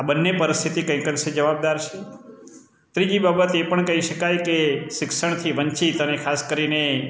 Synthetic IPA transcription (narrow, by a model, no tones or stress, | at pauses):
abənːepəɾɪst̪ʰit̪ikə̃j̃kənʃed͡ʒəʋab̚d̪aɾt͡ʃʰe | t̪ɾid͡ʒibabət̪epəɳkəɦiʃəkajkeʃɪkʃəɳ̃t̪ʰiʋəɲt͡ʃit̪ənekʰaskəɾine